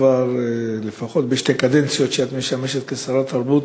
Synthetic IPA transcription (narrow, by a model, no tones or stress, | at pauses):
vaɾlefaχo̞t̪beʃt̪ekad̪ent͡sijo̞t̪ʃeat̪meʃameʃet̪kesaɾat̪aɾbut̪